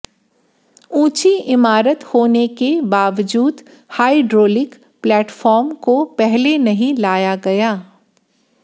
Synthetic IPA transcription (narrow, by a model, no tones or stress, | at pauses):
ũːt͡ʃiɪmaːɾət̪hoːnekebaːʋd͡ʒuːd̪ | haːiɖɾoːlɪk | plɛːʈfɔːɾmkopɛɦlenɐɦĩlaːjaɡɐjaː